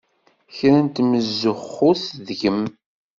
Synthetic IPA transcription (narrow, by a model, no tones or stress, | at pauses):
çɾənt̪məzːəχːʊθðʝəm